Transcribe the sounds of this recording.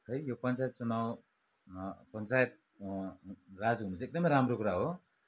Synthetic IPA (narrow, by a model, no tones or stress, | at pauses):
hʌjjopʌnt͡sajet̪̚t͡sunaw | pʌnt͡sajet̪̚ | rad͡zumud͡zeek̚d̪ʌmʌjɾamrokuɾaɦo